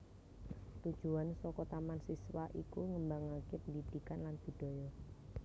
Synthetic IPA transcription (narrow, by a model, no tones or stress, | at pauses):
t̪ud̥ʒ̥uansɔkɔt̪amansiswaʔḭkuŋəmbaŋakepəndid̪̥i̤kanlanb̪̥i̤ɖ̪̥ɔ̤jɔ